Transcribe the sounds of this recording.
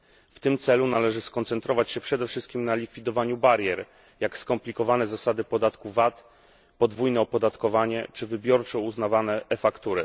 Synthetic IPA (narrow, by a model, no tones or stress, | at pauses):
ft̪ɘmt̪sɛlunalɛʐɘskɔnt̪sɛnt̪ɾɔvat͡ɕɕɛpʂɛd̪ɛfʂɘst̪̚kʲimnalʲikfʲid̪ɔvaɲubaɾjɛɾ | jakskɔmplʲikɔvanɛzasad̪ɘpɔd̪at̪kuvat̪ | pɔd̪vujnɛɔpɔd̪at̪kɔvaɲɛt͡ʂɘvɘbʲjɔɾt͡ʂɛuznavanɛːfakt̪uɾɘ